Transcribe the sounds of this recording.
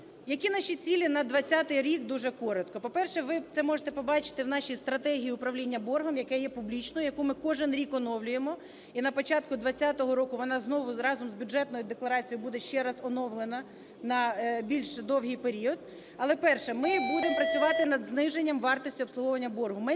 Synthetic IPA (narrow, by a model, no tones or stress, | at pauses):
jɐkʲinɑʃʲit͡sʲilʲinɐd̪ʋɐt͡sʲːat̪ɪjɾʲikd̪uʒɛkɔɾɔt̪kɔpɔpɛrʃɛʋɪt̪sɛmɔʒet̪ɛpɔbɑt͡ʃɪ̥t̪ɪwn̪ɑʃʲijst̪ɾɐt̪ɛɦʲijiʊpɾɐʋlʲinʲːɐbɔrɦɔmjɐkɛjɛpublʲit͡ʃnɔjjɐkumɪkɔʒenɾʲikɔnɔwlʲʊjemɔ | inɐpɔt͡ʃɑt̪kʊd̪ʋɐt͡sʲːat̪ɔɦɔɾɔkʊʋɔnɑznɔʋʊɾɑzɔmzbʲjʊd͡ʒɛt̪nɔjʊd̪eklˠɐɾɑt͡sʲijbud̪ɛʃt͡ʃɛɾɑzɔnɔwlˠenɐ | nɐbʲilʲʃd̪ɔwɦʲijpeɾʲiɔd̪ | ɐlˠɛpɛrʃɛmɪbud̪empɾɐt͡sʲʊʋɑt̪ɪnɐd̪znɪʒenʲːɐmʋɑrt̪ɔsʲtʲiɔpsˠʊɦɔʋɐnʲːɐbɔrɦʊmɪ